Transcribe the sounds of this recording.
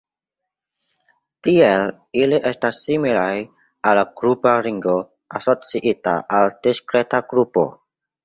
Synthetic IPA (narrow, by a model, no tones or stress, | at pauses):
tiel | iliʔestasːimilaj | alːaɡ̥ɾupaɾiŋɡo̞ | asot͡siʔita̰ʔald̥iskɾe̞taɡɾupo̰